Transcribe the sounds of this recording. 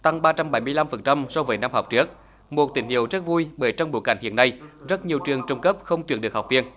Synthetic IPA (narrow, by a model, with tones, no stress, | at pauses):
t̪a˧ŋɓaː˧t͡ɕa˧mɓa˨˩jmɨ˧əjla˧mfə˨˩nt͡ɕa˧msɔ˧vəː˨˦jna˧mɦɔ˨˩wk͡p̚t͡ɕɨ˦˥ək̚ | mo˨˩t̚t̪ï˧˩ŋ̟hḭ˧˨əwzə˦˥t̚vu˧jɓəː˧˦jt͡ɕɔ˧ŋ͡mɓo̰˨˧˦jka˧˩ŋ̟hḭ˧˨ənːa˧jzə˦˥t̚ɲi˨˩əwt͡ɕɨ˨˩əŋt͡ɕə˧wŋ͡mkə˦˥p̚xə˧wŋ͡mt̪wi˨˩ən̚ɨ˨ək̚hk͡p̚vi˧ən